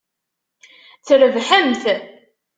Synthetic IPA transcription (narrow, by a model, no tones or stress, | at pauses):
θɾəvħəmθ